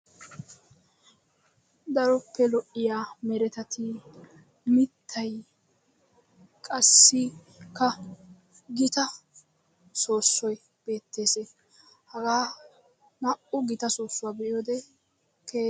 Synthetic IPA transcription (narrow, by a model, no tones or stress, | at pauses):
d̪ɐɾɔpʰːɛlɔʔɪjaːmɛɾɛt̪ɐt̪ʰɪ | mɪt̪ʰːɐj | kʼɐsːɪ | kːɐ | ɡɪt̪ɐ | so̞ːsːɔj | b̥e̞ːt̪ːe̞ːseː | hɐɡaː | nɐʔʊɡɪt̪ɐsoːsːʊwaːbɛʔjoːd̪ɛ | ke